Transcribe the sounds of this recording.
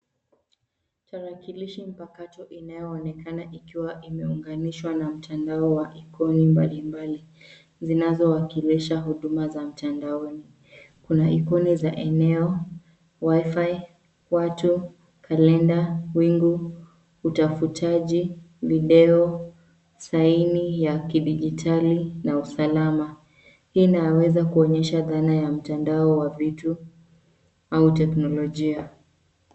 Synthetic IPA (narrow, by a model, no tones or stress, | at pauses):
taɾakiliʃim̩pakatɔʔinajɔːnɛkanaʔikiwaʔimɛuŋɡaniʃwanam̩tʰandaɔwaʔikɔnimbalimbali | zinazɔwakiliʃaɦuɗumazam̩tandaɔni | kunaikɔnizaʔɛnɛɔ | waifai | watu | kʰalɛndawiŋɡu | utafutʰaʄi | viɗɛɔ | sainijakiɗiʄitʰalinausalama | hiːnawɛzakuɔɲɛʃaðanajam̩tandaɔwavitu | autɛknɔlɔʄia